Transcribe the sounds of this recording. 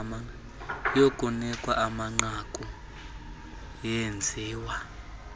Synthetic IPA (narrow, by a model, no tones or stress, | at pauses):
a | jokʼunɛkʼwaʔamaŋ͡ǀakʼu | jend͡zʱiːwa